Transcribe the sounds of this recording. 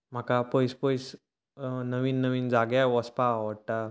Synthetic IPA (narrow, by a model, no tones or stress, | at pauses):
m̤akapəjspəjs | nəʋiːnːəʋiːnd͡zaɡjaʋɔspaəɽʈa